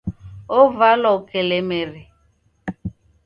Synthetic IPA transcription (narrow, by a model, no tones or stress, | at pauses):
ovalɔkelemeri